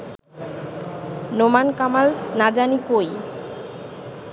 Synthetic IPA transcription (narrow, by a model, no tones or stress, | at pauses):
nomankamalnad͡ʑanikoj